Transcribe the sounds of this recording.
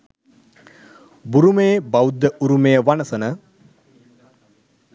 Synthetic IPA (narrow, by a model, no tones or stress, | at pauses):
buɾumeːbawud̪ːəʔuɾumejəʋanəsənə